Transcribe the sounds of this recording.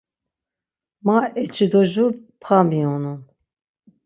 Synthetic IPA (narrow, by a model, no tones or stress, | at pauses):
maɛt͡ʃʰid̪ɔʒuɾpʰχamiɔnun